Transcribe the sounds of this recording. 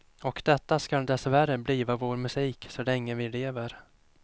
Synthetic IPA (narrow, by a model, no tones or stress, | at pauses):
ɔkd̪ɛt̪ːaskald̪ɛsværəbliːvavoːɾmɵsiːksɔlɛŋːəvɪleːvəɾ